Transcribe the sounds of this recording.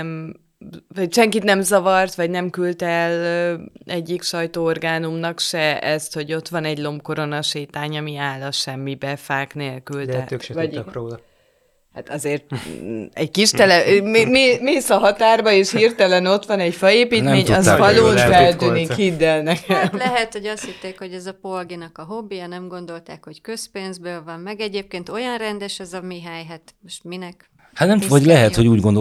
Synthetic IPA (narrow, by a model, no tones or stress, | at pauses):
m | vɒɟʃɛŋkit̪nɛmzɒvɒrt̪ʋɒɟnɛmkylt̪ɛløɛɟːikʃɒjt̪oːorɡaːnumnɒkʃɛɛst̪ho̞ɟo̞t̪ʋɒnɛɟlo̞mpko̞ɾo̞nɒʃeːt̪aːɲɒmiaːlɒʃɛmːibɛfaːkneːlkylvɒ | hat̪ɒzeːrt̪ɛɟkiʃt̪ɛlɛmmeːmeːsɒɦɒt̪aːrbɒeːʃhirt̪ɛlɛno̞t̪ʋɒnɛcfɒeːpiːnɛmɒzvɒloːʃfɛlt̪ynikhid̪ːɛlnɛkʰɛmlɛɦɛt̪ho̞ɟɒst̪hit̪ːeːkho̞ɟɛzɒpo̞lɡinɒkɒɦo̞bːijɒnɛmɡo̞nd̪o̞lt̪aːkho̞ckøspeːnzbøːlvɒmmɛɡɛɟeːp̚keːnt̪o̞jɒnrɛnd̪ɛʃɛzɒmiɦɛjɦat̪moʃt̪minɛk | hat̪nɛmvɒɟlɛɦɛt̪hoɟuːɟɡond̪o